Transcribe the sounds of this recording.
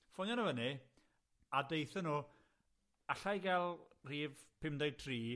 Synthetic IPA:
fɔjɔnəvənɪ | adejθənuː | aɬajɡɛlˠr̥iːvpʰɪmdetʰriː

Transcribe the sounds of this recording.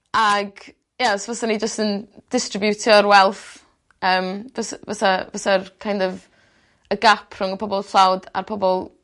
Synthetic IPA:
aɡ | jasvasanid͡ʒəstənd̥ɪstrɪbjutʰjɔɾwɛlˠθ | əːmvasvasavasarkʰajndɔv | əɡapʰr̥ʊŋəpʰɔbɔlˠɬawda̰rpʰɔbɔlˠ

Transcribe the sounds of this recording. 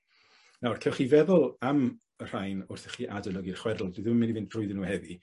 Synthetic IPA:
narkʰeːwχivɛðʊlˠam | ər̥ajnʊrθɛχiːʔadəlˠəɡirχwɛrl̩ˠdiðɪmmɪnivɪn̥rʊɨðənːuːhɛði

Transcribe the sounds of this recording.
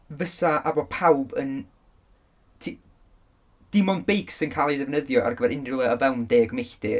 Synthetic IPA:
vəsaʔabɔpʰawbən | tʰi | d̥ɪmɔnbejksənkʰaːlˠiðɛvnəðjɔʔa̰rɡəvɛɾɪnrulˠɛɔvɛlˠndeːɡmejɬd̥ɪ

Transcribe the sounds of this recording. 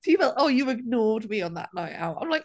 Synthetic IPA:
tʰivɛlˠʔoːjuɪɡnɔːdmiɔ̃nða̰ʔnaja̰wã̰ɪ̃mlajk̚

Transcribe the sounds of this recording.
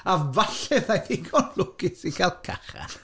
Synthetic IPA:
avaɬɛðajθikʰɔnlʊɡ̥ɪsikʰalˠkʰa̰χa̰n

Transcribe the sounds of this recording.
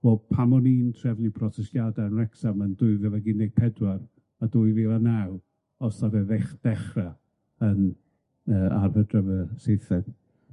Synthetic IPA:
vɛlpʰamɔniːntʰrɛvnipʰrɔsɛstjadaənrɛksaməndʊɨvɛlˠaɡɪnɪɡ̥̚pʰɛdwar | adʊɨviːlˠanaw | ɔsaɾɛðeχd̥ɛχra | ən | əːa̰rvədrəvəsejθɛd̥

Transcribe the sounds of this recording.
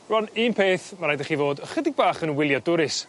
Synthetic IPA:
rɔniːnpʰeːθmaɾaːjdaχivoːdχədɪɡ̚baːχənwɪlˠjɔdʊɾɪs

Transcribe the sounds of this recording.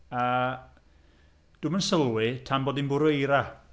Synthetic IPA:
a | d̥ʊmənsəlˠwɪtʰamboːdinbʊɾejɾa

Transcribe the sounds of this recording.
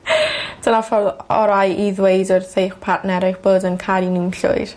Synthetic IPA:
d̥ənafɔɔɾajʔiðwejdɔrθejχpʰaʔnɛɾɪχb̥oːdənkʰaɾinɪmɬʊ̰ɨɾ̥

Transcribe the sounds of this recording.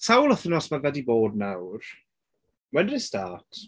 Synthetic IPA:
sʰawlˠəθənɔsmanvɛdiboːdnawr | wɛdistaːtʰ

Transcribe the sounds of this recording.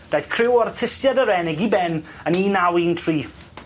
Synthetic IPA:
d̥ajθkʰrɪwɔrtʰɪsjadəɾɛnɛɡibɛnəniːnawiːntʰriː

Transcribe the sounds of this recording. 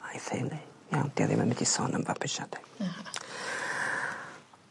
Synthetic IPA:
ajθenijawnd̥ia̰ðḭmamɛdisɔnʔəmvabʰɪʃad̥ɛ̥

